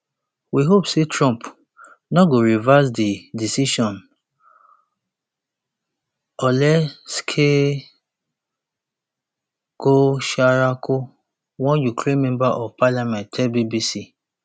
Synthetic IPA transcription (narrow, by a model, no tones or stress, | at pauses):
wiɦopsetɾɔ̃mp | nɔɡoɾivas̬didisiʃɔ̃n | ɔlɛskʰe | ɡ̥oʃaɾakʰo | wɔ̃njukʰɾẽnmɛ̃mbaʔɔvpalamɛ̃ntɛbibisi